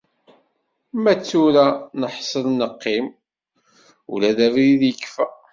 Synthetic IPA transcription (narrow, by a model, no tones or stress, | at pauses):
mæt͡sːuɾanəħsˤəlnəqːim | ṵlæðævɾiðjəkːfæ